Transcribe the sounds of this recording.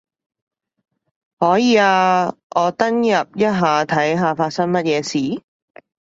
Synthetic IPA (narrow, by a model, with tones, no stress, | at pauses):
hɔː˨˥jiː˨˧aː˧ʔɔː˨˧t̪ɐ˥ŋjɐ˨p̚jɐ˥t̚ɦaː˨t̪ʰɐ˨˥jɦaː˨˧faː˧t̚sɐ˥ŋmɐ˥t̚jɛː˨˧siː˨˥